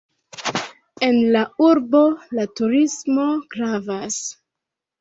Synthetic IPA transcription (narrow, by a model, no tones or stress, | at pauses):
e̞nlauɾbo̞latuɾismo̞ɡɾavas